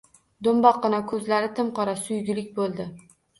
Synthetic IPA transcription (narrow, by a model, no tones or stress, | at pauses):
d̪ombɒqːɨnakʰɵzlaɾɪt̪ʰɪmqʰɒɾasʊjɡʲɪlɪk̚ʲbolˠd̪ɪ